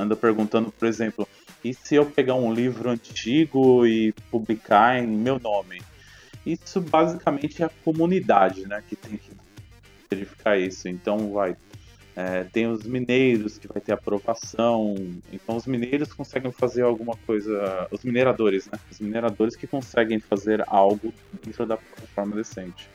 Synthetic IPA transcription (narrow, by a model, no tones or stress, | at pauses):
ɐ̃nd̪ɐpeɾɡũnt̪ɐ̃nd̪ʊpoɾezẽmplʊ | ɪsɪewpeɡaũlivɾʊɐ̃nt͡ʃiɡʊɪpublikʰaẽj̃mewnõmɪ | isʊbazikamẽnt͡ʃɪɛɐkomunid̪ad͡ʒɪnɛkɪt̪ẽj̃kɪ | veɾifi̥kʰaisʊẽnt̪ɐ̃w̃vaj | ɛt̪ẽj̃ʊzminejɾʊskɪvajt̪eɾapɾovasɐ̃w̃ḛ̃nt̪ɐ̃w̃ʊzminejɾʊskõsɛɡẽj̃fazeɾawɡũmɐkojzɐʊzmineɾad̪oɾɪznɛʊzmineɾad̪oɾɪskɪkõsɛɡẽj̃fazeɾawɡʊ | d̪ẽnt̪ɾʊd̪ɐplɔt̪ɐfɔɾmɐd̪esẽnt͡ʃɪ̥